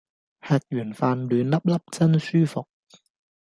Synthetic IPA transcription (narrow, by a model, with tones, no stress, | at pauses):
hɛː˧k̚jyː˨˩nfaː˧nlyː˨˧nlɐ˥p̚lɐ˥p̚t͡sɐ˥nsyː˥fʊ˨k̚